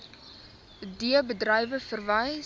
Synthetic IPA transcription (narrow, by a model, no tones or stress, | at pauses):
diəbədrɐjvəfərvɐj